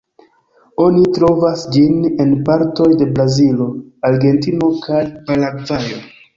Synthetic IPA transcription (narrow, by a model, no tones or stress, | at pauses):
o̞nitɾo̞vasd͡ʒine̞npaɾto̞jde̞bɾazilo̞aɾɡe̞ntino̞kʰajpalaɡvajo̞